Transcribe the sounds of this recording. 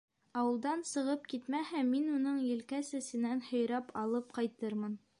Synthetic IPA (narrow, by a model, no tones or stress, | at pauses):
ɑwɤ̆lˠd̪ɑnsɤ̆ʁɤp̚kit̪mæhæminunɤɴjɘ̆lkæsɘ̆sɘ̆nænhŏjɾɑpʰɑlˠɤp̚qɑjt̪ɤɾmɤn